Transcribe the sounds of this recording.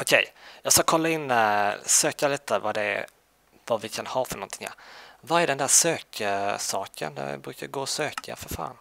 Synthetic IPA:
ʊkʰɛjjɑːɡskakʰɔlːaɪnːsøːkaliːt̪əvad̪ɛ | vavɪkʰanhɑːfœɳnɔnt̪ʰɪŋja̰vaɾæɖɛnd̪æːʂøːkʰsɑːkʰə̰nd̪ɛ̰bɾʉ̟ːkaɡoːɔsøːkʰa̰fœɾfa̰ːn

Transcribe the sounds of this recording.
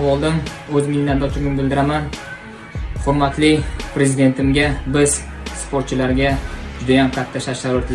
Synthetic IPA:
ɒlˠd̪ɪm | ɵzɪmɪnnːad̪ɒt͡ʃ̪ʰɪmʲɪmbɪld̪ɪɾaman | hʊɾmat̪lɪpɾe̞zid̪e̞nt̪ʰɪmɡʲabɪz | spʰoɾt̪̚t͡ʃʰɪlaɾɡʲad͡ʒʊd̪ajamqʰat̪ʰːaʃaɾʃaɾoɾt̪l

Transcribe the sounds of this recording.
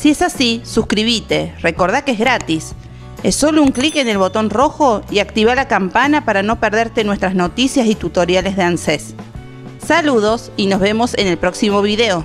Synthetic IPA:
sie̞sasisuskɾiβ̞it̪e̞re̞ko̞ɾð̞akeezɣɾat̪is | esːo̞louŋklikene̞lβo̞t̪o̞nro̞xo̞iakt̪iβalakampanapaɾano̞peɾð̞eɾt̪e̞nwe̞st̪ɾasno̞t̪isjasit̪ut̪o̞ɾjale̞zðeansesː | aluðo̞sino̞zβe̞mo̞senelpɾo̞ksimo̞βiðeo̞

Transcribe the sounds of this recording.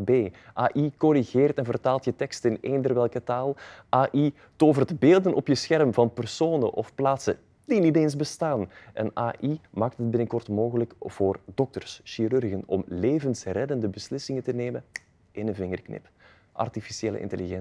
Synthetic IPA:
beː | ʔaːʔikɔɾiɣeːrtɛnvərtaːlˠtjətɛkstɪneːndərʋɛlˠkətaːlˠʔaːʔi | toːvərdbeːlˠdənʔɔpjəsxɛrmvɑnpərsoːnə̰ʔɔfplaːtsə̰ | diniteːnzbəstaːnʔɛ̰naːʔimaːk̚tɦət̚bɪnəkɔrtmoːɣələkv̥oːrdɔk̚tərsʃiɾʏrɣənɔ̰mleːvənsrɛdəndəbəslɪsɪŋətəneːmə | ɪnənvɪŋərknɪ̰p | ʔɑ̰rtifisieːlə̰ʔɪ̰ntəliɣɛn

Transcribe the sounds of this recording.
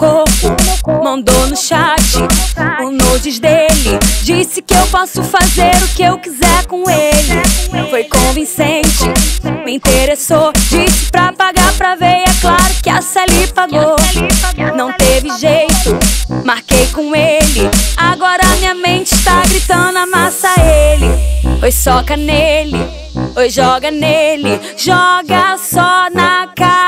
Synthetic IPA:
kohpʊmɐ̃nd̪onʊʃat͡ʃɪʊnod͡ʒɪzd̪elɪd͡ʒisɪkɪewpɔsʊfazeɾʊkɪewkizɛɾkõelɪfojkõvĩsẽt͡ʃɪmɪĩt̪eɾesod͡ʒisɪ̥pɾɐpaɡaɾpɾɐvejɛklaɾʊkɪɐselipɐɡo | nɐ̃w̃t̪evɪʒejt̪ʊmaɾkejkõelɪaɡɔɾɐɐmĩɲɐmẽt͡ʃɪst̪aɡɾit̪ɐ̃d̪ʊamasɐelɪpojsɔkɐnelɪ | ojʒɔɡɐnelɪ | ʒɔɡɐsɔnɐka

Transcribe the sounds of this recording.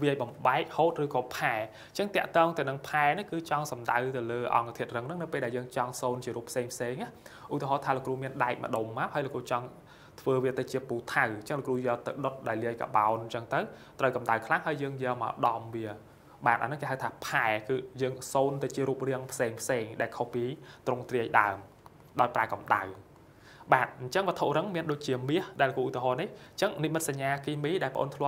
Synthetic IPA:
ʋiəjɓɑmɓaɛk̚hoːt̪̚rɨːkɑːpʰaɛ | t͡ɕəŋt̪ɛ̆əʔt̪ɔːŋt̪ɨwnɨŋpʰaɛnɨhkɨːt͡ɕɑŋsɑmɗa̰wt̪ɨwləːʔɑ̰ŋkt̪ʰiət̪̚rɨŋnɨŋnɨwpeːlɗaɛljəːŋt͡ɕɑŋsoːnt͡ɕiəɾuːpʰseːŋpʰseːŋʔahʔut̪iəɦɑːt̪ʰaːlokruːmiənɗaɛk̚mə̰̆ɗomːaphaːəjloʔkruːt͡ɕɑŋ | t̪ʰʋəːʋiət̪ɨwt͡ɕiəpuːt̪ʰawɲt͡ɕəŋlokruːjɛəlt̪ɨwɗot̪̚ɗaɛlːiəjka̰ɓa̰ɔnɲt͡ɕəŋt̪əw | t̪rəwkɑmɗawkʰlaŋɦaəjjəːŋjɛəlma̰əɗɑmʋiə | ɓaːt̪ʔa̰nɨŋkeːɦawt̪ʰaːpʰaɛkɨːjəːŋsoːnt̪ɨwt͡ɕiəɾuːp̚riəŋpʰseːŋpʰseːŋɗaɛlkʰohpiːt̪roŋt̪riəjɗa̰əm | ɗaɔjpraɛkɑmɗa̰w | ɓaːt̪̚ɲt͡ɕəŋmət̪ʰoʔrɨŋmiənɗoːc̚t͡ɕiəmiəhɗaɛləkuːʔut̪iɦɑːniht͡ɕəŋnimɨt̪̚saɲːaːkiːmiːɗaɛlpə̆ʔo̰ːnt̪ʰlŏə

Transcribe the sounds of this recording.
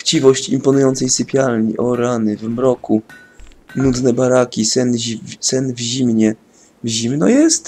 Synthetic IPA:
ft͡ɕivɔɕt͡ɕḭmpɔnujɔnt̪sɛjsɘpʲjalɲḭʔɔɾanɘvmɾɔku | nud̪nɛbaɾakʲisɛnvsɛnvʑimɲɛ | vʑimnɔ̰jɛst̪

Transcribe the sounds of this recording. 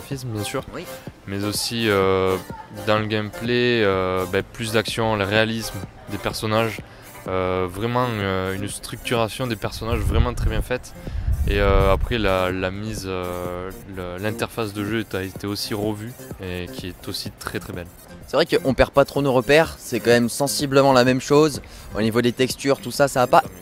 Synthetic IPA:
afismbjɛ̃syːʁmɛzosiø | d̪ɑ̃ləɡʲɛmpleøbɛplys̬d̪aksjɔ̃ləʁealism | d̪epɛʁsɔnaʒ | øvʁɛmɑ̃øynst̪χyk̚t̪yʁasjɔ̃d̪epɛʁsɔnaʒvʁɛmɑ̃t̪χɛbjɛ̃fɛt̪ | eøapχɛlalamizøləlɛ̃t̪ɛʁfas̬d̪əʒøt̪yaet̪eosiʁəvyekʲiɛt̪osit̪χɛt̪χɛbɛl | sɛvʁɛkəʔɔ̃pɛʁpat̪χonoʁəpɛʁsɛkɑ̃mɛmsɑ̃sibləmɑ̃lamɛmʃozo̰nivod̪et̪ɛkst̪yʁt̪usasaːpa

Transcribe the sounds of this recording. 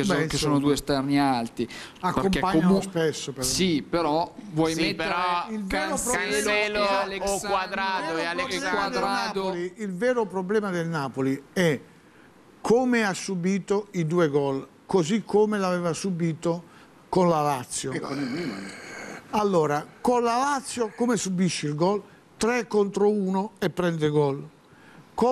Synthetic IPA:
kekesoːnod̪uest̪ɛrnialt̪iakːompaɲːauspɛsːopeɾɔsipeɾɔvwɔjmet̪ːilvɛːɾopɾɛllalekwad̪ɾad̪oalɛmad̪nad̪oliilvɛːɾopɾoblɛːmad̪elnaːpoliɛ | kʰomeasːubiːt̪oid̪uːeɡɔl | kozikʰːomelavɛːvasubiːt̪o | konlalat̪sːjoknɛḭ | alːoːɾakolalat̪sːjokomesubiʃːilɡɔl | t̪ɾɛkːont̪ɾouːnoɛpːɾɛnd̪eɡɔl | k

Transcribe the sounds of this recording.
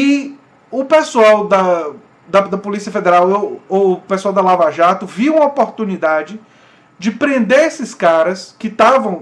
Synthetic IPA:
ɪ | ʊpesuawd̪ɐ | d̪ɐd̪ɐpolisiɐfed̪eɾawopesuawd̪ɐlavaʒat̪ʊviũmɐopoɾt̪unid̪ad͡ʒɪ | d͡ʒɪpɾẽnd̪eesɪskaɾɐskɪt̪avɐ̃w̃

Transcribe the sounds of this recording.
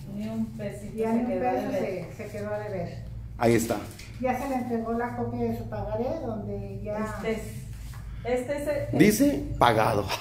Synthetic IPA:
niumpesiianiβelesekeðoaðeβeɾ | aiest̪a̰ | ʝase̞lent̪ɾeɣo̞lakopjaðesupaɣaɾeðo̞nd̪eʝase | est̪esed̪isepaɣa̰ðo

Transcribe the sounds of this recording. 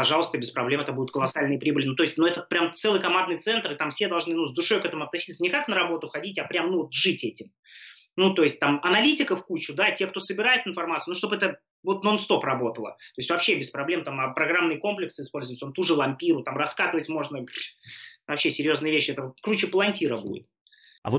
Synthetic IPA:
pɐʐalˠəst̪əbʲɪspɾɐblʲe̞mɛt̪əbudʲɪt̪kəlˠɐsalʲnɨjəpɾʲibɨlʲɪnut̪o̞jɪsʲt̚ʲnuɛt̪əpɾʲamt̪sɛlˠɨjkɐmand̪nɨjt̪sɛnt̪rɨt̪amfsʲed̪ɐlˠʐnɨnuzd̪ʊʂo̞jkɛt̪əmʊɐt̪nɐsʲit̪sənʲɪkaknəɾɐbo̞t̪ʊxɐdʲitʲɐpɾʲamnuvot̪ʐɨtʲɛtʲɪm | nut̪o̞ɪsʲt̚ʲt̪amɐnɐlʲitʲɪkəfkut͡ɕʊd̪atʲek̚t̪o̞səbʲɪɾajɪt̪ɨɪnfɐrmat̪sɨʊnuʂt̪obɨɛt̪ə | vo̞t̪nonst̪o̞pɾɐbo̞t̪əlˠə̰t̪o̞ɪsʲtʲvɐpɕːe̞bʲɪspɾɐblʲe̞mt̪amapɾɐɡɾamnɨjəko̞mplʲɪksɪspo̞lʲzʊɪt̪ʲsont̪uʐɨlˠɐmʲpʲiɾʊt̪amrɐskat̪ɨvətʲmo̞ʐnə | vɐpɕːesʲɪɾʲjo̞znɨjəvʲeɕːɪɛt̪əkɾut͡ɕɪpəlˠɐnʲtʲiɾəbṵdʲɪ̰t̪̚ | ɐ̰vo

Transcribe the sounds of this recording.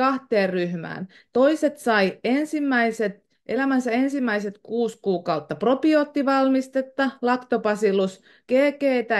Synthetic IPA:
ɑht̪eːrryhmæ̰ːn | t̪oiset̪sɑiensimːæiset̪ | ʔelæmænsæensimːæiset̪kuːskuːkɑut̪ːɑpropioːt̪ːiʋɑlmist̪et̪ːɑlɑkt̪opɑsilus | keːkeːt̪æ

